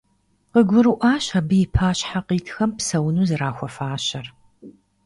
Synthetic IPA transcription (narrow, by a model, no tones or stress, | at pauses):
qəɡʷʊɾɨʔaːɕɐbɨjipʰaːɕħaqiːtʰxɐmpsɐwnuːzɨraːxʷɔfaːɕɐr